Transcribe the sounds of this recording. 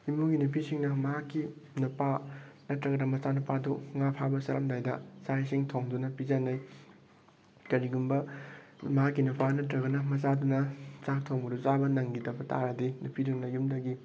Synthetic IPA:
imuɡinupʰisiŋnɐmɐɦakːinupanɐtɾɐɡɐnɐmɐt͡ʃanupaduŋapʰabɐsɐɾɐmdajdɐ̰sajsiŋtʰoŋdunɐpizɐnːɐj | kɐɾiɡumbɐ | mɐɦakːinupanɐtɾɐɡɐnɐmɐt͡ʃadunɐt͡ʃak̚tʰoŋbuduzabɐnɐŋɡidɐbɐta̰ɾɐdinupʰidunɐjumdɐɡi

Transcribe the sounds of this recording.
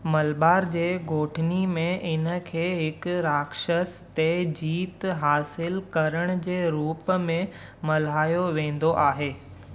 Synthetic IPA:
mɐlbaːɾd͡ʑeːɡʱoːʈʰɪnimẽʔɪnə̆kʰeːɦɪkɾaːkʃəst̪ed͡ʑiːt̪ɦaːsɪlkɐɾəɽ̃̆d͡ʑeːɾuːpmẽ | mɐl̤aːjoʋẽːn̆d̪oʔaːɦeː

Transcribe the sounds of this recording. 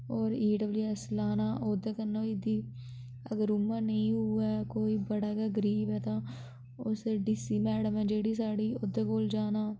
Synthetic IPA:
ɔːɾiːɖəbljuːɛslaːnaːʔoːd̪eːkənːoːid̪iː | ə̰ɡəɾʊmːãːnəĩːɦuːaːkoːiːbəɽaːkaːɡəɾiːbɛːt̪ãː | ʊseɖiːsiːmɛːɽəmɛ̃ːd͡ʒeːɽiːsaːɽiːoːd̪eːkoːld͡ʒaːnaː

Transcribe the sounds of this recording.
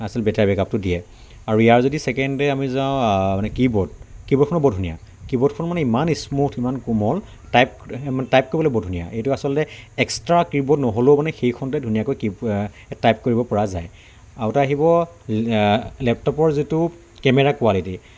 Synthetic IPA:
asɔlbɛtabɛkap̚tʊdiɛ | aɹuijaɹzodisɛkɛndɛamizãʊ̃manɛkibɔd̚kibɔt̚kʰɔnɔbɔdʱunija̰ | kibɔtkʰɔnɔmanɛimanismutʰimankumɔl | tajp̚manɛtajp̚koɹibɔlojbɔdʱunija̰ʔejtʊasɔlɔtɛɛkstɹakibɔdnɔɦolomanɛxejkʰɔntɛdʱunijakojkib | tajp̚koɹibɔpɔɹazaj | aɔtaaɦibɔ | lɛp̚tɔpɔɹzitʊ | kɛmɛɹakualiti

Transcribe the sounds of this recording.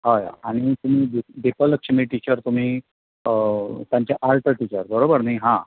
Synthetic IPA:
ɦaja̰aɽ̃it̪um̤iːd̪d̪epələkʂəmiːʈit͡ɕəɾt̪um̤iː | t̪jãɲt͡ɕaʔalʈəʈit͡ɕəɾbəɾobəɾnajɦã

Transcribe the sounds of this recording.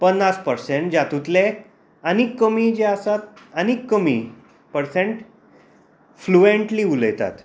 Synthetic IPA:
pənːaspəɾseɳʈ̚d͡ʑat̪ut̪le | anikːəmid͡ʑeasat̪̚ənikːəmi | pəɾsẽɳʈ | flueɳʈliuləjt̪a̰t̪

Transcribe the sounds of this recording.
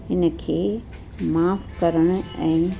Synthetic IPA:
ɪnəkʰeː | maːpkɐɾəɽ̃ɛ̃ː

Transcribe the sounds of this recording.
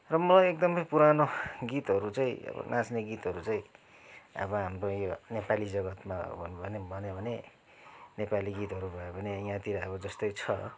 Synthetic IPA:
rʌmʌlajek̚d̪ʌmʌjpuɾanoɡit̪ɦʌɾut͡saĩʌ̰bʌ̰nʔãsneɡit̪ɦʌɾut͡sãĩ | ʌ̰bʌɦamrojonepalid͡zʌɡʌt̪ma̰bʱʌnbʱʌnebʱʌnebʱʌne | nepaliɡit̪ɦʌɾubʱʌebʱʌnejãt̪iɾʌʌbʌd͡zʌst̪ʌjt͡sʰʌ

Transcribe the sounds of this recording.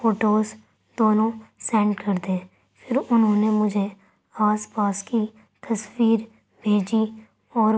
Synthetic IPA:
foːʈoːz | d̪̥oːnõsɛ̃ːɳɖkɐɾd̪eː | pʰɪɾʊnɦõnemʊd͡ʒʱe | aːspaːski | t̪ɐswiːɾ | bʱeːd͡ʒi | ɔːɾ

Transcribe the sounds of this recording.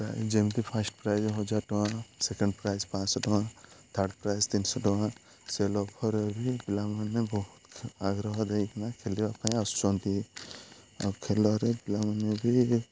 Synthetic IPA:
pɾa̰jzd͡ʒemt̪ipʰasʈpɾajzɔɦɔd͡ʒaɾʈɔwãsekɔɳɖpɾajzpãsɔʈɔwãt̪ʰaɾɖpɾajzt̪insɔʈɔwã | selɔkʰɔɾebibilamanebɔɦut̪aɡɾɔɦɔd̪ejkʰanakʰeliapãĩɔst͡ʃɔnt̪i | a̰kʰelɔɾebilamanebi

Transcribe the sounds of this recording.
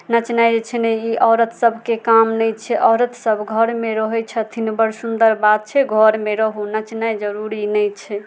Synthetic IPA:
nət͡ʃnajd͡ʒet͡ʃʰɛnɛjiʔɔːɾət̪ʰsəbʱkekamnɛjt͡ʃʰɛʔɔɾət̪səbʱɡʱəɾmeɾɔɦɛt͡ʃʰɛt̪ʰinbəɾsund̪əɾbad̪̚t͡ʃʰɛɡʱɔɾmeɾəɦunət͡ʃnajd͡ʒəɾuɾinɛjt͡ʃʰɛ

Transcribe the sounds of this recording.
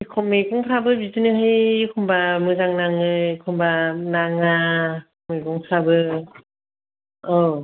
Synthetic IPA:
ikʰɔmeɡɔŋpʰɾabɯbizɯnɯɦɯjkʰɔmbamɯzaŋnaŋɯkʰɔmbanaŋakʰmeɡuŋpʰɾabɯ | ɔ

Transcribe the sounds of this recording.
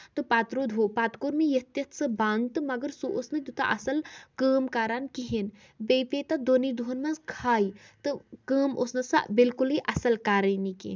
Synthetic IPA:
t̪ɨpaːt̪ɾod̪ʱuːpaːt̪koɾmijɐt̪jɐt̪ʰsɨbaːnt̪ɨmɐɡəɾsuʔosnɨd̪ut̪a̰ʔɐsɐlkəːmkaːɾankiɦin | bejpet̪ɐd̪onid̪uɦnmɐ̃nskʰaːjt̪ɨkəːmosnɐsɐ̰bɪlkuliʔɐsɐlkaːɾənikḭn

